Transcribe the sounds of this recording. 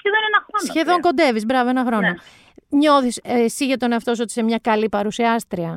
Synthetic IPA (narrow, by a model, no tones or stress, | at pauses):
ceðenenɐxɾosnsçe̞ðo̞ŋko̞nd̪e̞vizbɾɐvoenɐxɾo̞no | ɲo̞θissiʝet̪o̞neɐft̪o̞s̬o̞t̪i̥semɲɐkɐlipɐɾusiɐst̪ɾiɐ